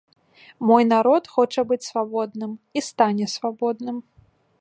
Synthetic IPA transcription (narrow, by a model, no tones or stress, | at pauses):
mɔjnaɾɔt̪xɔt͡ʂɐbɨt͡sʲsvabɔd̪nɨmist̪anʲɛsvabɔd̪nɨm